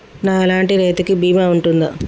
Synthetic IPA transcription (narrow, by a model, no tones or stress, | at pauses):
naːɐlaːɳʈiɾeːt̪ikibiːmaːuɳʈund̪ɐ̰